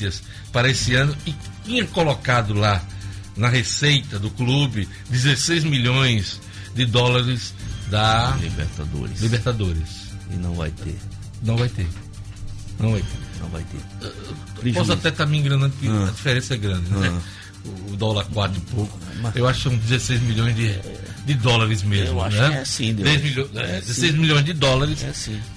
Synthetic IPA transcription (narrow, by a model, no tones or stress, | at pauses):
iɐs | paɾɐesɪɐ̃nʊɪ | t̪ĩɲɐkolokad̪ʊlanɐɦesejt̪ɐd̪ʊklubɪ | d̪ɪzesejzmiʎõj̃z | d̪ɪd̪ɔlaɾɪzd̪ɐlḭbḛɾt̪ad̪o̰ɾɪslibeɾt̪ad̪oɾɪs | ɪ̰nɐ̰̃w̃va̰jt̪ḛ | nɐ̃w̃vajt̪eɾ | nɐ̃w̃vajt̪enɐ̰̃w̃va̰jt̪ḛ | ɾiɔsat̪ɛt̪aɾmĩɡɾɐ̃nɐ̃d̪ʊkɪɐd͡ʒifeɾẽsɐɛɡɾɐ̃d͡ʒ̪ɪnɛ | ʊːd̪ɔlɐɾkwat̪ɾʊpowkʊ̥ewaʃʊkɪsɐ̃w̃d͡ʒ̪ɪzesejzmiʎõj̃zd̪ɪ | d̪ɪd̪ɔlaɾɪzmezemʊaʃnɛɛsĩd̪d̪ɛjzmilõɛd̪ɪzesejzmilõj̃zd̪ɪd̪ɔlaɾɪsɛsĩ